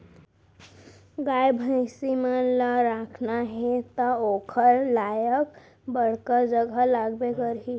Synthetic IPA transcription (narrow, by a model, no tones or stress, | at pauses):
ɡajbʱə̃ɪsimeləɾakʰnaɦet̪əokʰəɾlajək | bəɽ̤kəd͡ʒəɡʱalaɡbekəɾɦi